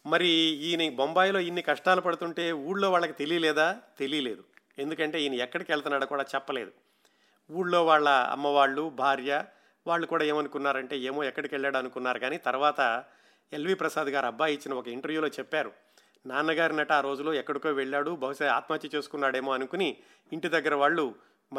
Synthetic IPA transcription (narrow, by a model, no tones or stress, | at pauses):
mɐɾiiːnibombaːjlo̞ːinːikɐʂʈaːlupɐɽut̪uɳʈe̞ːuːɽlo̞ːʋaːɭːɐkit̪e̞liːlɛːd̪aːt̪e̞liːle̞ːd̪u | e̞nd̪ukɐɳʈe̞ːiːniɛkːɐɽikɛɭɐt̪unaːɽukuːɽaːt͡ʃɛpːɐle̞̰ːd̪u | uːɽlo̞ːʋaːɭːɐɐ̰mːɐʋaːɭːubʱaːɾjɐ | ʋaːɭːukuːɽaːe̞ːmɐnukunːaːɾɐɳʈe̞ːe̞ːmo̞ːɛkːɐɽikɛɭːaːɽuɐnukunːaːɾuɡaːniːt̪ɐɾuʋaːt̪ɐ | elʋiːpɾɐsaːd̪ɐɡaːɾɐbːaːjit͡ʃːinɐɔkɐiɳʈɐɾʋjuːloːt͡ʃɛpːaːɾu | naːnɐɡaːɾinɐʈaːɾo̞ːd͡ʒulo̞ːɛkːɐɽikoːʋeɭːaːɽubʱɐɦuʃɐaːt̪maːt̪jɐt͡ʃe̞ːsu̥kunːaːɽe̞ːmo̞ːɐnukuni | iɳʈid̪ɐɡːɐɾɐʋaːɭːu | m